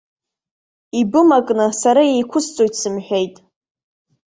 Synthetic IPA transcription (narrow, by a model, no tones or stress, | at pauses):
ibɨmakʼnɨsaɾajejkʷʰʊst͡sʼojtʰsɨmħᶣejtʼ